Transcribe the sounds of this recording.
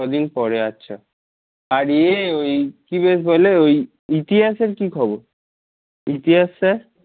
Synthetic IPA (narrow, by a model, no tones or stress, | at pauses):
ɔd̪inpɔɾeatːɕʰa | aɾeojkibesboleoj | it̪iɦaseɾkikʰɔboɾ | it̪iɦasːaɾ